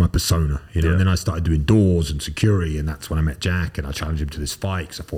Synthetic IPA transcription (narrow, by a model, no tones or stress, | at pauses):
aɪpʰəsõʊ̃nəjɨnoʊə̃nðɨ̃ñaɪstɑˑɹtɪdʉɪ̃ŋdɔːzə̃nsɨkʰj̥ɔɹɪɾiɨ̃nðætswə̃ñaɪmɛt̚d̥ʒ̥ækɨ̃ñaɪt͡ʃʰælˠə̃nd͡ʒd̥̚ɪ̃mtʰəðɪsfaɪkʰsaɪfɔ